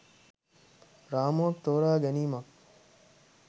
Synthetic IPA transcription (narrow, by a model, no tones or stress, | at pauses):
ɾaːmuɐk̚t̪oːɾaːɡɐniːmɐk̚